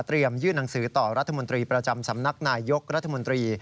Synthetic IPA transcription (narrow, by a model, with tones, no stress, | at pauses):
t̪ɾi˧əmjɯː˥˩na˩˦ŋsɯː˩˦t̪ɔː˨˩ɾa˦˥t̪ʰːa˧mo˧nt̪ɾiː˧pɾa˧t͡ɕa˧msa˩˦mna˦˥k̚naː˧jːo˦˥k̚ɾa˦˥t̪ʰːa˧mo˧nt̪ɾiː˧